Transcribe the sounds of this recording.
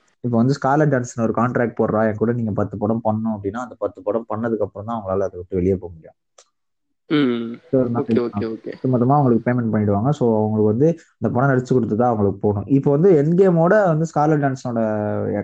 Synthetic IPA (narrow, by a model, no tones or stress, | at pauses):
ɪpːoːʋɐnd̪ɯskaːlɐɖaːnsɐnɔɾɯkaːɳʈɾaːk̚ʈ̚poːɾɾãːɛŋɐkuːɽɐniːŋɡɐpɐt̪ːɯpɔɽɐmpɐɳːʊ̃ɐp̬ːɐɽɪnːaːɐnd̪ɐpɐt̪ːɯpɔɽɐmpɐɳːɐðɯkːɐpːɯɾɐ̃mt̪ãːɐʋɐŋɡɐɭaːlɐɐðɐʋɪʈːɯʋɛɭɪjapoːmʊɽɪjʊ̃ | soɾnãɐkaokḛt̪ːɯmɐt̪ːɐmaːʋɐŋɡɐɭɯkːɯpeːmɛɳʈpɐɳːɪʈɯʋaːŋɡɐsoːɐʋɐŋɡɐɭɯkːɯʋɐnd̪ɯɐnd̪ɐpɐɳɐ̃nɐɽɐt͡ʃːɯkːɔɽɯt̪ːɯt̪ãːɐʋɐŋɡɐɭɯkːɯpoːɳʊ̃ʔɪpːoːʋɐnd̪ɯɛnɡejmoːɽɐʋɐnd̪ɯskaːlɐɖaːnsnoːɽɐ